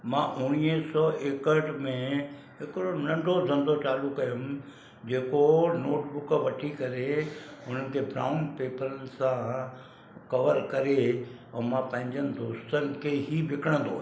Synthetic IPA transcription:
mãːʔʊɽ̃iːə̃sɔːʔeːkəɾɖmẽ | ɦɪkɾonɐ̃ɳɖʱozʱɐ̃nd̪ot͡ɕaːlukɐjʊm | d͡ʑeːkonoːʈbʊkʋɐʈʰikɐɾeʊn̤ənɪ̆kʰebɾa̰ːʊnpeːpəɾənɪ̆sã | kɐʋəɾkɐɾe | ɛ̃ːmãpɐ̃ɦɪ̃ɲd͡ʑənɪ̆d̪oːst̪ənɪ̆kʰeɦiʋɪkʰəɽ̃ə̃nd̪oː

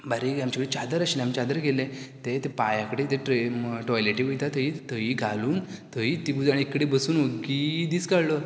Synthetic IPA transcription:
baɾiamt͡ɕakəɽit͡ɕad̪əɾaɕilamt͡ɕad̪əɾɡelẽt̪et̪ẽpajãkəɽet̪ẽʈeʈɔjleʈiʋəjt̪at̪əɦit̪əɦiːɡʱaluːnt̪əɦiːt̪iɡud͡zaniikːɽebəsuːnʋəɡid̪iːst͡skaɭlɔ

